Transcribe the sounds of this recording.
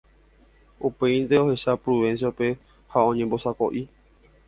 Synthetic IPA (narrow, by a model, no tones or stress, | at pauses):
upe̞ĩnd̪eo̞he̞ʃapɾuʋẽ̞ns̬jaupe̞ | haõ̞ɲẽmbo̞sako̞̰ʔi